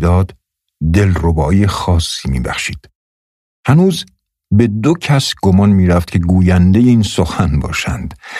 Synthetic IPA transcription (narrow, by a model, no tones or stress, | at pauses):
d̪ɒːd̪ | d̪e̞lrobɒːjexɒːsːiːmḭːbæ̰xʃiːd̪̥ | hænuːz | be̞d̪ocʰæsɡ̥omɒːnmiːɾæft̪̚cʰe̞ɡuːjænd̪e̞jeiːnsoxænbɒ̰ːʃænd̪̥